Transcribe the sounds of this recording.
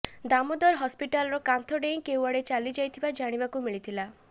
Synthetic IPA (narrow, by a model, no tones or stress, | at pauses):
d̪amɔd̪ɔɾɦɔspiʈalɔɾɔkant̪ʰɔɖej̃kewaɽet͡ʃalid͡ʒajt̪ʰibad͡ʒaɽ̃ibakumiɭit̪ʰila